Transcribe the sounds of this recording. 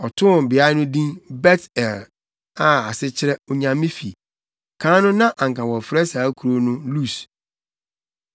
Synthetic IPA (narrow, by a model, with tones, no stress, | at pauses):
ɔ˨tʰʊ̃˦˨m˨bɪ˨a˦nʊ̃˦dĩ˦nbɛ˦tɛ˨l | a˨a˨sɪ˦t͡ɕʰɪ˦ɾɛ˦ʊ˨ɲã˨mĩ˦fḭ˨ | kʰãː˨˦nʊ̃˦nã˦ʔã˨ŋ˨kʰã˨wɔ˨fɾɛ˦saː˨˦kʰu˨ɾo˦nʊ̃˦lu˦˨s